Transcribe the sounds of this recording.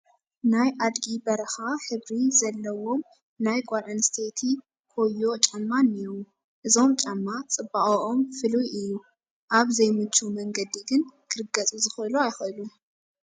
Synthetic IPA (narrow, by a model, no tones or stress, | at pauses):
najʔad̪ɡibɐɾɐxaħɨβɾizɐlːɐwo̞m | najɡʷaɾʕɨnst̪ʰet̪ʰi | kʰo̞jːo̞t͡ʃʼamːanːiɾom | ʔɨzo̞mt͡ʃʼamːat͡sʼɨbːaʔoʔomfɨlujɨjːu | ʔaβzɐjmɨt͡ʃːumɐŋɡɐd̪iɡɨnkʰɨɾɨɡɐt͡sʼuzɨxɨluajxɐlu